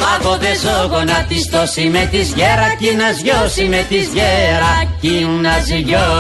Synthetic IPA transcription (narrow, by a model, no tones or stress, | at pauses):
ɐpoðezoɣonɐt̪ist̪osimet̪izʝeɾɐcinɐzʝosimet̪izʝeɾɐciŋnɐziʝo